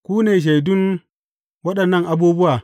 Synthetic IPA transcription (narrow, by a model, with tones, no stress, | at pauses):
kʷuː˦neː˨ʃ̬e˨jdʊ˦n | wɐ˦ɗɐ˨nːɐ˦ŋʔa˦buː˦bʊ˦waː˨